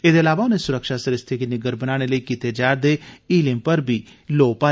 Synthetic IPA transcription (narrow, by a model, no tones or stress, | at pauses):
eːd̪eɐlaːʋaʊnesʊɾəkʃasɐɾɪst̪ʰekenɪɡəɾbənaːɽ̃eləiːkiːt̪ed͡ʒaːɾd̪eːiːlɪ̃mpəɾbʱiːloːpaː